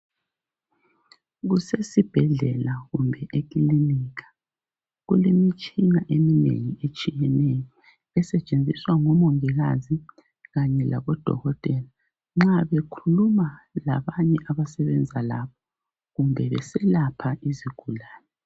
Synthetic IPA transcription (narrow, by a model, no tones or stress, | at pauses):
ɣusesib̥ʱɛɮɛlaɣumbʱɛʔekʼiliniːkḁ | ɣulemit͡ʃʼinaʔeminḛŋiet͡ʃʼijɛnɛjɔ | ɛsɛt͡ʃʼend͡zʱiswaŋɔmoŋiɣa̰zi | ɣaɲɛla̰βɔd̥ʱɔ̰ɣɔtʼɛla | ŋ͡ǁaβekʰulumala̰βaɲɛʔaβasɛβɛnd͡zʱala̰βɔ̥ | ɣumbʱɛβɛ̰sɛlapʰaʔiziɡ̥ʱulaːnɛ